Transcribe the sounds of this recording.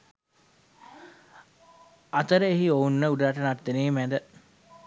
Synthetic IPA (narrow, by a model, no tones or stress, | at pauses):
at̪əɾəeɦiounːəuɖaʈənaʈd̪eneːmæd̪ə